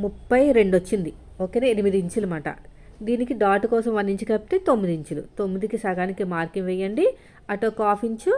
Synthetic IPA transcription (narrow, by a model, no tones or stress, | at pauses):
mupːɐjɾe̞ɳɖot͡ʃːind̪i | oːkeːneːnimid̪iːɲt͡ʃulumaːʈɐ̰d̪iːnikiɖaːʈukɔːsɐmʋɐnːiɲt͡ʃikɐp̚t̪eːt̪o̞mːid̪iɲt͡ʃulṵt̪o̞mːid̪ikisɐɡaːnikimaːɾkiŋʋɛjːɐɳɖi | ɐʈoːkaːpʰiɲt͡ʃu